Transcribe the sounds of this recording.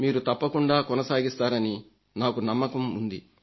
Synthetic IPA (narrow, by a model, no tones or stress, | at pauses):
miːɾut̪ɐpːɐkuɳɖaːkɔnɐsaːɡist̪aːɾɐni | naːkunɐmːɐkɐmund̪ḭ